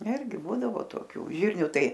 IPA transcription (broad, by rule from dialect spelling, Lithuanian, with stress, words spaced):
ˈɪrʲɡʲɪ ˈbuːdɐʋoː toːˈkʲuː ˈʒʲɪrʲnʲuː ˈtɐɪ